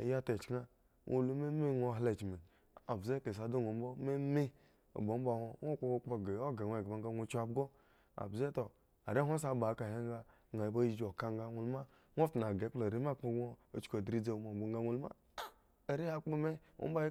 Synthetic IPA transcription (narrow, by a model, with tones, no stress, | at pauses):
ḛ˨ja˦te˨t͡ʃna˦ | ŋʔo̰˦lu˦me˦me˦ŋo˦˨ɦle˦˨t͡ʃme˨ | a˨bze˦ke˨sa˨do˦ŋ˨o˨m̩˦bo˦me˦me˦ | o̰˨bo˨˦m̩˦bo˦˨ho˦ŋʷo˦k͡po˦o˦k͡po˦˨ɡe˨˦o˦ɡe˨˦e˨ɡba˦ŋ˦a˦ŋʷo˦t͡ʃa˦bɡo˦ | a̰˨bze˦to˨ | a̰˨ɾe˦ɦʷo˦s̬a˦ba˨˦ka˨he˦ŋ˦ɡa˦˨ | ŋa˨ji˨˦ba˦i˦d͡ʒo˨ka˦ŋ˦ɡa˦ŋu˦lma˦ | ŋʷ˦o˦ftu˨n˨a˨ɡe˨˦k͡plo˨ɾe˦m˦a˦˨k͡po˦o˦o˨t͡ʃko˨dɾi˦d͡ze˦mo˨bo˨ŋ˦ɡa˦ŋʷu˦lma̰˦˨ | e˨ɾi˦a˦k͡pu˦me˦o̰˦ba˦